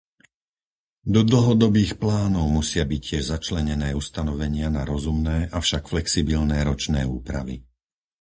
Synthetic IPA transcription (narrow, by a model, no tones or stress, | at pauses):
d̪ɔd̪l̩ɦɔd̪ɔbiːxplaːnɔʊmusɪabiccːɪɛʒzat͡ʃlɛɲɛnɛːust̪anɔʋɛɲɪanaɾɔzumnɛːʔafʃakflɛksibilnɛːɾɔt͡ʃnɛ̰ːuːpɾa̰ʋḭ